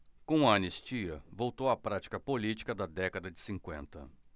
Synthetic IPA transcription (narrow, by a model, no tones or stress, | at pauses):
kõɐɐnest͡ʃiɐvowt̪owɐpɾat͡ʃi̥kɐpolit͡ʃi̥kɐd̪ɐd̪ɛkɐd̪ɐd͡ʒɪsĩkwẽnt̪ɐ̰